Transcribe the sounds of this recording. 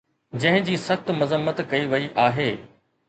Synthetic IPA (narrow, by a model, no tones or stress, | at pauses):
d͡ʑɐ̃ɦɪ̃d͡ʑiːsɐxt̪mɐzəmːət̪kɐiʋɐiʔaːɦeː